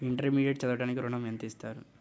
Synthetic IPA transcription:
iɳʈɐɾmiːɖijeʈ̚t͡ʃɐd̪uʋɐʈaːnikiɾuɳɐment̪ist̪aːɾṵ

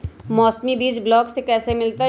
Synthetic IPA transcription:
mɔːsmibiːt͡ʃblɔːksekɛːsemɪlt̪a

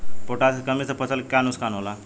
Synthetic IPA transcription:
foʈat̪kəmit͡səpət͡səlkjanuskanola

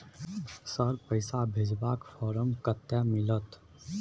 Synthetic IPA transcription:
səɾpəɪsabʱɪd͡ʒbaːkfɔːɾəmkət̪ːamɪlət̪

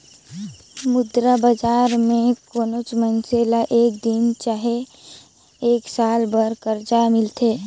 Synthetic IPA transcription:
mʊd̪ɾabəd͡ʒaːɾmẽkoːnot͡ʃmənselaʔeːk̚d̪ɪnt͡ʃaːɦe | eːksaːlbəɾkəɾd͡ʒamɪlt̪ʰeː

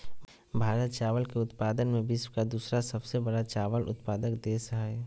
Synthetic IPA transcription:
bʱaːɾət̪̚t͡ʃaːʋəlkeʊt̪paːd̪ənmẽbɪswkad̪uːsɾasɐbsebəɽat͡ʃaːʋəlʔʊ̰t̪paːd̪əkd̪esɦaɛ

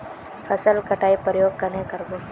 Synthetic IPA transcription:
fʰəsəlkəʈʰaːipɾjoːɡ̚kənekəɾboː

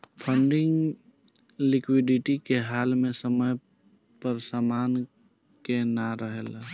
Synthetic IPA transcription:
pʰə̃ɳɖɪ̃ŋɡ | lɪkwɪɖɪʈikeɦaːlmẽsəməj | pəɾsaːmaːn | kenaɾəɦel

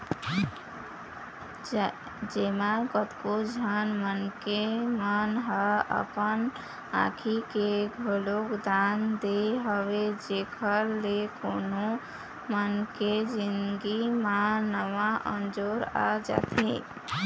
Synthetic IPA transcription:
d͡ʒemãɡət̪kod͡ʒʱanmənkemənɦəə̰pən | ã̰ːkʰikeɡʱəlokd̪and̪eɦɔwed͡ʒekʰəɾlekoːno | mənked͡ʒɪnɡimãnəʋaʔə̰nd͡ʒoːɾa̰d͡ʒa̰t̪ʰḛ̃

